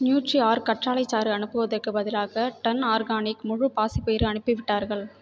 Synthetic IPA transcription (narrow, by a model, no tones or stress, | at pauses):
njuːʈriaːɾkɐʈraːlɐɪt͡ʃːaːɾɯɐnɯpːɯʋɐðɐrkɯbɐðɪlaːɣɐʈɐnaːɾɣaːnɪkmʊɻʊpaːsɪpeːɪɾɯɐnɯpːɯʋɪʈːaːɾɣɐɭ